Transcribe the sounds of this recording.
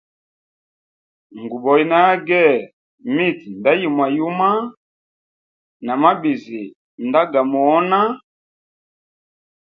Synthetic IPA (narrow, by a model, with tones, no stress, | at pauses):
ŋ˨ɡu˨bɔ˨i˨na˦ɡɛ˦˨ | me˦˨ti˨n˨da˦ji˨mwa˨ju˦ma˦ | na˨ma˦be˨ze˨ | nda˦ɡa˨mɔ˨ɔ˦na˦